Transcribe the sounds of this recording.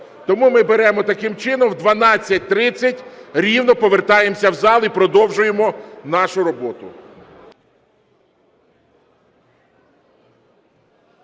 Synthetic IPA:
t̪ɔmumɪbeɾɛmɔt̪ɐkɪmt͡ʃɪnɔmwd̪ʋɐnɑt͡sʲːɐt̚ʲt̪ɾɪt͡sʲːɐtʲɾʲiwnɔpɔʋert̪ɑjemsʲɐwzɑlˠipɾɔd̪ɔwʒʊjemɔn̪ɑʃʊɾɔbɔt̪ʊ̰

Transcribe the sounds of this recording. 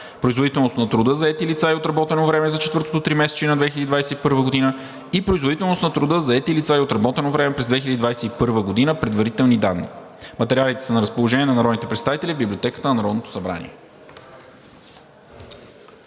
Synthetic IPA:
pɾoizvod̪it̪ɛlˠnost̪nɐt̪ɾʊd̪ɤzɐɛt̪ilit̪saiot̪ɾɐbɔt̪ɛnovɾɛmɛzɐt͡ʃɛt̪vɤɾt̪o̥t̪ot̪ɾimɛsɛ̥t͡ʃɛnɐd̪vɛxilʲɛd̪id̪vajsɛipɤɾvəɡod̪inə | ipɾoizvod̪it̪ɛlˠnost̪nɐt̪ɾud̪ɤzɐɛt̪ilit̪saiot̪ɾɐbɔt̪ɛnovɾɛmɛpɾɛzd̪vɛx̬ilɛd̪id̪vajsɛipɤɾvəɡod̪inəpɾɛd̪vɐɾit̪ɛlˠnid̪a̰nːḭmɐt̪ɛɾialit̪ɛ̥sənɐɾəspolˠoʒɛniɛnɐnɐɾɔd̪nit̪ɛpɾɛt̪st̪avit̪ɛlivbiblʲiot̪ɛkət̪ənɐnɐɾɔd̪not̪o̥sɐbɾa̰nʲḭɛ

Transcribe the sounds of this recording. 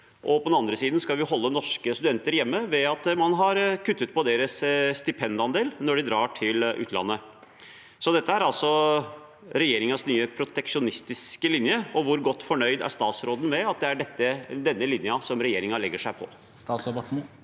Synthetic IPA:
ʔɔpʰɔd̪ɛnɑnd̪ɾəsiːd̪n̩skɑlʋɪɦɔlːənɔʂkəst̪ʉd̪ɛnt̪əɾjɛmːəʋɛɑt̪mɑnɦɑɾkʰʉt̪ːət̪̚pʰɔd̪eːɾəsːt̪ɪpʰɛnd̪ɑnd̪eːlnɔɖɪd̪ɾɑːʈʰɪlʉ̰ːt̪ʰlɑ̰nːə | sɔd̪ɛt̪ːəæɾɑlsɔ | ɾɛjeːɾɪŋɑsnyːəpʰɾʊt̪ɛkʂʊnɪst̪ɪskəlɪnjəɔʋʊɾɡɔt̪ːfɔɳœʏd̪æ̰ɾʂt̪ɑːt̪sɾoːd̪n̩ʋɛɑt̪̚d̪ɛæɖɛt̪ːəd̪ɛnːəlɪnjɑsɔmɾɛjeːɾɪŋɑlɛɡːəʂæɪpʰɔ̰ | st̪ːsɔbəʈ̩

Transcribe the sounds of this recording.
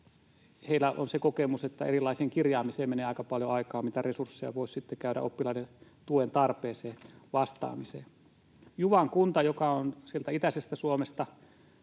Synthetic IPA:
heilːˑæʔo̰nsekokemuset̪ːæḛrilːˑɑiseːŋkirjɑːmiseːmeneːɑikɑpɑljoɑikɑːmmit̪æresursːejɑ̰ʋoˑissit̪ːekæyɾæ̰ʔo̰pːilɑinent̪uent̪ɑrpeːseːʋɑst̪ɑ̰ːmisḛː | juʋɑŋkunt̪ɑjokɑonsielt̪æit̪æsest̪æsuomest̪ɑ

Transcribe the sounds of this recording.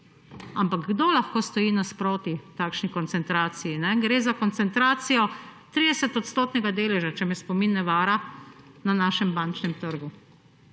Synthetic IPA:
ampaɡɡd̪olaxkoːst̪ɔjiːnaspɾoːt̪it̪aːkʃnikɔnt̪sɛnt̪ɾaːt̪sijinɛɡɾeːzakɔnt̪sɛnt̪ɾaːt̪sijɔt̪ɾiːd̪ɛsɛt̪ɔt̪st̪oːt̪nɛɡad̪eːlɛʒat͡ʃɛmɛspɔminːɛʋaːɾa | nanaːʃɛmbant͡ʃnɛmt̪əɾɡu

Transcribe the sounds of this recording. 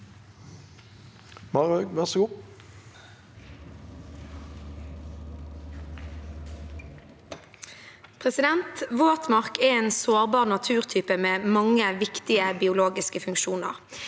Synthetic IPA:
mɑʁøːɡʋæʁsəɡuː | pʰʁɛsɪd̪ɛnt̪ʋoːt̪mɑʁkɛeːnsoːʁbɑːʁnɑt̪ʰʉːʁt̪ʰyːpəmeːmɑŋːəʋɪkt̪ɪəbɪʊloːɡɪskəfʉŋkʃuːnə̰ʁ

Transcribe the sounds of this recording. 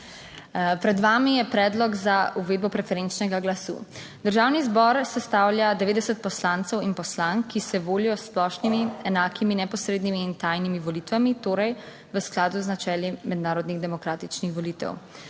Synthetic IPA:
pɾɛd̪ʋaːmijɛpɾɛːd̪lɔɡzauʋeːd̪̚bɔpɾɛfɛɾent͡ʃnɛɡaɡlasṵː | d̪əɾʒaːwnizbɔɾsɛst̪aːwlʲjad̪ɛʋeːd̪ɛsət̪̚pɔslaːnt̪sɛwinpɔslaŋkːisɛʋoːlijɔsplɔːʃnimiɛnaːkiminɛpɔsɾeːd̪nimiːnt̪ajnimiʋɔlit̪ʋamit̪oːɾɛj | ʋəsklaːd̪uznat͡ʃɛːlimɛd̪naːɾɔd̪niɣd̪ɛmɔkɾaːt̪it͡ʃnixʋɔliːt̪ɛ̰w

